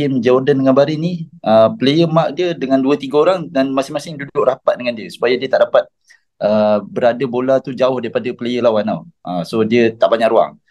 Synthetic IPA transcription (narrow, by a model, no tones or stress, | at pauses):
ɪmd͡ʒaurdandəŋanbaɾiniəpələjəmaʔdiədəŋanduət̪iɡəoɾaŋdanmasɪŋmasɪŋdudʊʔrapat̪̚dəŋandiəsu̥pajədiət̪aʔdapat̪̚ | ʔəbəɾadəbolat̪ud͡ʒaʊhdaɾipadəpələjəlawana̰wʔəsodiət̪aʔbaɲaʔɾua̰ŋ